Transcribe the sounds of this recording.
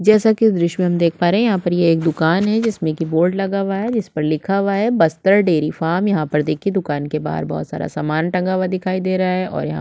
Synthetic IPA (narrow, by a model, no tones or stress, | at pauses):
d͡ʒɛːsakid̪ɾɪʃmẽɦɐmd̪eːk̚ʰpaːɾeɦɛ̃jɐɦãpɐɾjeːk̚d̪ʊkaːnɦɛd͡ʒɪsmẽkiboːɾɖlɐɡaʋaɦɛd͡ʒɪspɐɾlɪkʰaʋaɦɛbɐst̪əɾɖeːɾifaːmjɐɦãpɐɾd̪eːkʰid̪ʊkaːnkeba̰ːɦə̰ɾbɔ̰ːt̪sa̰ːɾa̰saːmaːnʈɐ̃ŋɡaʋad̪ɪkʰaːid̪eːɾɐaɦɛʔɔ̰ːɾjɐɦã̰